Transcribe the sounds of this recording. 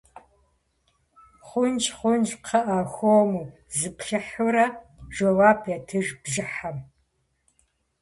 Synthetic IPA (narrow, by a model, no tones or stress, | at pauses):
χʷʊnt͡ʃχʷʊnd͡ʒqʰɐʔaxʷomuː | zɨpɬɐħʊɾɐʒowaːpʰjɐtʰɨʒbʒɨħam